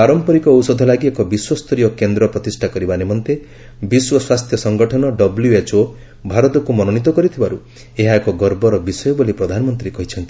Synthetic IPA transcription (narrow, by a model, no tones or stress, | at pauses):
paɾɔmpɔɾikɔwsɔd̪ʱɔlaɡiekɔbiswɔst̪ʰɔɾijɔkend̪ɾɔpɾɔt̪isʈʰakɔɾibanemɔnt̪e | biswɔswast̪ʰjɔsɔŋɡɔʈʰɔnɔɖɔbljuet͡ʃo | bʱaɾɔt̪ɔkumɔnɔnit̪ɔkɔɾit̪ʰibaɾu | eɦaekɔɡɔɾbɔɾɔbisɔjɔbolipɾɔd̪ʱanɔmɔnt̪ɾikɔɦit͡ʃʰɔnt̪i̥